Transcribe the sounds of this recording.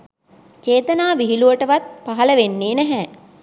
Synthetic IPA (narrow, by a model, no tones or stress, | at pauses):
t͡ʃeːt̪ənaːʋiɦiluʋəʈəʋat̪̚paɦɐləʋenːeːnæɦɛ